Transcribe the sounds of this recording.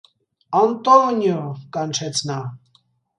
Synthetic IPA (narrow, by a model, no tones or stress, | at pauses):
ant̪ɔnjukant͡ʃʰɛt͡sʰna